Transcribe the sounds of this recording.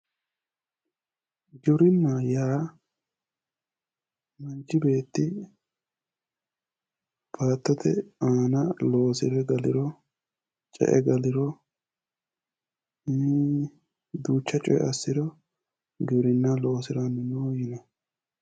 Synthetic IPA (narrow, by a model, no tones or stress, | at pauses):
ɡɪbɾɪnːaːjaː | mɐnt͡ʃːɪbe̞ːt̪ːɪ | b̥aːt̪ːɔt̪ɛaːnɐlo̞ːsɪɾɛɡɐlɪɾɔ | t͡ʃʼɛ̰ʔɛɡɐlɪɾɔ | d̪uːt͡ʃːɐt͡ʃʼɔj̰ɐsːɪɾɔ | ɡɪbɾɪnːalo̞ːsɪɾɐnːʊnujɪnɐ